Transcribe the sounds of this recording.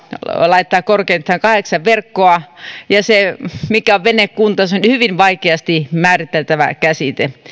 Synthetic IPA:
lɑit̪ːɑːkkorkeint̪ːɑːŋkɑheksɑʋʋerkːoɑjɑsemikæoʋʋenekkunt̪ɑsonʲhyʋinʋɑikeɑst̪imæːrit̪ːelt̪æʋæ̰kæsit̪e

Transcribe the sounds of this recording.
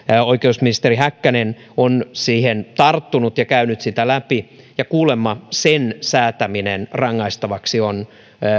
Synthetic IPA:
oikeusminist̪eriɦækːænen | onsiːhent̪ɑrt̪ːunut̪jɑkæynyt̪sit̪ælæpi | jɑkuːlemːɑsensæːt̪æminenrɑŋːɑist̪ɑʋɑksion

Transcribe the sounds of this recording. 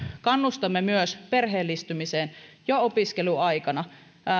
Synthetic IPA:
kɑnːust̪ɑmːemyøspe̞rɦeːlːist̪ymiseːnjoopiskeluɑjkɑnɑ

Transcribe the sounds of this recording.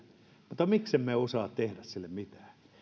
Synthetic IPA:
mut̪ːɑmiksemmeosɑːt̪t̪ehdæssilːemmit̪æ̥ː

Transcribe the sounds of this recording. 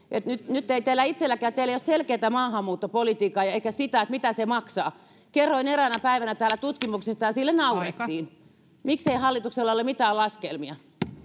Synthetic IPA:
et̪nyt̪nyt̪ːeit̪eːlːæit̪selːækæːt̪eilːˑeijosselkeit̪æmɑːhɑmːuːt̪ːopolit̪iːkɑːjɑeikæsit̪æet̪mit̪æsemɑksɑː | kerːoineɾænɑpæiʋænæt̪æːlæt̪ut̪kimuksest̪ɑjɑsilːenɑuret̪ːiːn | mikseihɑlːit̪ukselːɑolemit̪æːlɑskelmiɑ

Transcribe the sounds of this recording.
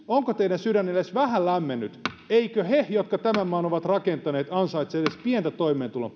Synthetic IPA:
oŋkot̪eiɾænsyɾænːelesʋæhællæmːenːyt̪eikøhejot̪kɑt̪æmæmmɑːnoʋɑt̪rɑkent̪ɑneːt̪ɑnsɑit̪selespient̪æt̪oimeːnt̪ulo̰

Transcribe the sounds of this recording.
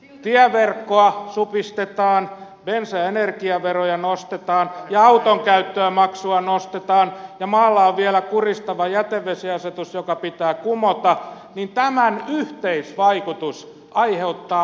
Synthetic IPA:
t̪iæʋerkːoɑsupist̪et̪ɑːn | ʋensæenerkiɑʋerojɑnost̪et̪ɑːnjɑɑut̪oŋkæyt̪ːøæmɑksuɑnost̪et̪ɑːnjɑmɑːlːɑoʋʋiælækurist̪ɑʋɑjæt̪eʋːesiɑset̪usjokɑpit̪æːkumot̪ɑ | nint̪æmænyht̪eisʋɑikut̪us | ɑiheut̪ːɑː

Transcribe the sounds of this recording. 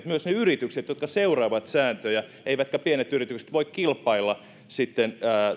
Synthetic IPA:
t̪myøsneyrit̪ykset̪jot̪kɑseurɑːʋɑt̪sæːnt̪øjæ | eiʋæt̪kæpienet̪yrit̪ykse̥t̪ʋoikkilpˑɑilːɑ | sit̪ːenː

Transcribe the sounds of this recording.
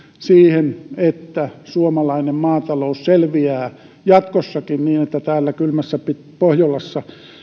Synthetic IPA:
siːhenet̪ːæsuomɑlɑinemmɑːt̪ɑlousselʋiæː | jɑt̪kosːɑkinniːnet̪ːæt̪æːlːækylmæsːæpit̪̚pohjolːɑsːɑ

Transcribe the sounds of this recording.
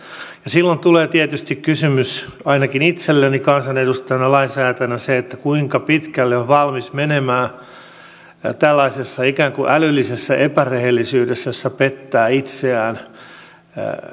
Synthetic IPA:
jɑsilːont̪uleːt̪iet̪yst̪ikkysymysɑinɑkinit̪selːenikɑnsɑnedust̪ɑnɑlɑinsæːt̪ænæseet̪ːækuiŋkɑpit̪kælːeoʋʋɑlmismenemæː | t̪ælːɑisesːɑikæːŋkuʔælylːisesːæʔepærehelːisyːdesːæsːæpet̪ːæːit̪seæːn

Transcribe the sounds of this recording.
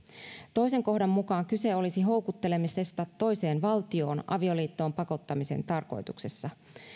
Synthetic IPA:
t̪o̞jse̞ŋko̞hdɑmːukɑːŋkyse̞o̞lisiɦo̞wkut̪ːe̞le̞mist̪est̪ɑt̪ːo̞jse̞ːnʋɑlt̪io̞ːnʔɑ̰ʋio̞liːt̪ːoːmpɑko̞t̪ːɑmise̞̰nt̪ɑrko̞̰jt̪ukse̞sːɑ

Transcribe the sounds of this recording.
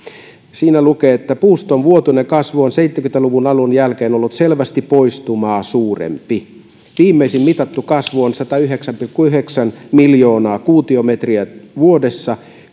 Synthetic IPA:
siːnælukeːet̪ːæpuːst̪onʋuot̪unekɑsʋuonseit̪ːekynt̪æluʋunɑlunjælkeːnolːut̪selʋæst̪ipoist̪umɑːsuːrḛmpi | ʋiːmːeisimmit̪ɑt̪ːukɑsʋuonsɑt̪ɑyɦeksæmpilkːuyheksænmiljoːnɑːkuːt̪iomet̪riæʋuodesːɑ

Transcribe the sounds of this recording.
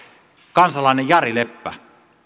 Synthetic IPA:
kɑnsɑlˑɑˑenejjɑrilepːæ̰

